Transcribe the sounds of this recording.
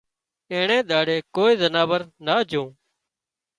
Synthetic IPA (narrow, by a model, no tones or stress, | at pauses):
ẽːɳẽːɗ̪ʱaːɽeːkoːiːzənaːʋəɾnaːd͡ʒʱõː